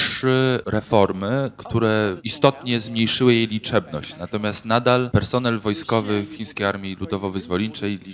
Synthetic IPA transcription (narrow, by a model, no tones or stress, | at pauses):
ɘɾɛfɔɾmɘkt̪ʰuɾɛist̪ɔt̪ɲɛzmɲejʂɘwɘjejlʲit͡ʂɛbnɔ̰ɕt͡ɕnat̪ɔmʲjast̪nad̪alpɛɾsɔnɛlvɔjskɔvɘfxʲĩɲ̃skʲejaɾmʲilud̪ɔvɔvɘzvɔlʲint͡ʂɛjlʲi